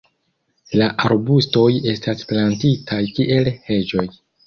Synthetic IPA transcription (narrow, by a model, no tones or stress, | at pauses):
laʔaɾbusto̞je̞stasplantitʰajkiʔe̞lhe̞d͡ʒo̞j